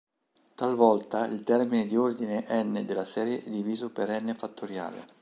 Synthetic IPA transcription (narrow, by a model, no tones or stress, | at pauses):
t̪alvɔlt̪aḭlt̪ɛrmined̪iord̪ineʔɛnːed̪elːasɛːɾjed̪iviːzopeɾɛnːefat̪ːoɾja̰ːlḛ